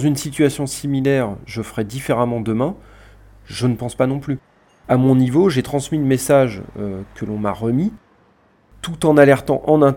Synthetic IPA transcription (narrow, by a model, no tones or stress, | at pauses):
zynsit̪ɥasjɔ̃similɛʁʒəfʁɛd̪ifeʁamɑ̃d̪əmɛ̃ | ʒənəpɑ̃spanɔ̃ply | amɔ̃nivoʒet̪χɑ̃smiləmesaʒøkəlɔ̃ma̰ʁəmi | t̪ut̪ɑ̃nalɛʁt̪ɑ̰̃ʔɑ̃nɛ̃